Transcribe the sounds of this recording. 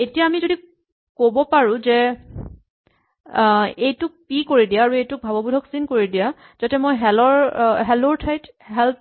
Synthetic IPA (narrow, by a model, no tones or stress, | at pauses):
etijaːmizodi | kobɔpaɹũzɛ | ejtʊk̚pikoɹidijaːɹuejtʊk̚bʱabɔbudʱɔksinkoɹidija | z̥atɛmojɦɛlɔɹɦɛloɹtʰajt | ɦɛlp̚